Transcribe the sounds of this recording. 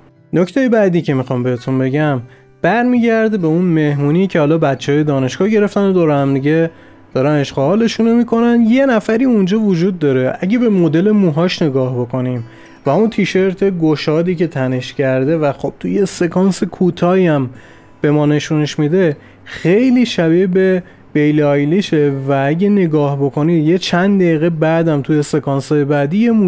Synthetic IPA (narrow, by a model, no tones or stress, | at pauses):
noct̪ʰejebæd̪iːcʰe̞mixɒːmbe̞het̪ʰunbe̞ɟæm | b̥æɾmiːɟæɾd̪ebe̞unme̞hmuːniːcʰehɒːlɒːbæt̪t͡ʃʰːehɒːjed̪ɒːne̞ʃɡɒːhɟe̞ɾe̞ft̪ænod̪oːɾhæmd̪iɟe | d̥̪ɒːɾæneʃχoɒːle̞ʃuno̞mikʰo̞nænje̞næfæɾiːund͡ʒɒːvod͡ʒuːd̪ːɒːɾe̞ʔæɟʲe̞be̞mod̪e̞le̞muːɦɒːʃne̞ɡɒːhbo̞kʰo̞nim | væunt̪ʰiːʃe̞ɾt̪ʰe̞ɡoʃɒːd̪iːce̞t̪ʰæne̞ʃcʰæɾd̪e̞væxob̥̚t̪ʰuje̞se̞kʰɒːnsekʰuːt̪ʰɒːiæm | b̥e̞mɒːne̞ʃune̞ʃmid̪e̞ | xejliːʃæbibe | b̥e̞jlɒjliʃevææɟene̞ɡɒːhbo̞kʰo̞niːd̪jet͡ʃʰænd̪d̪æiːɣebæd̪æmt̪ʰuje̞se̞kʰɒːnsɒjebæd̪iːjemu